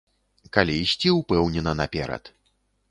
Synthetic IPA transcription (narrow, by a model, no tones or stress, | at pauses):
kalʲiisʲt͡sʲiupɛwnʲɛnɐnɐpʲɛɾɐ̰t̪